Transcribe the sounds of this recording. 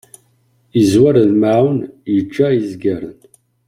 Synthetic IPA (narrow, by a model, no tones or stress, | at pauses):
izwaɾðmawnjəd͡ʒːaizɡæɾə̰n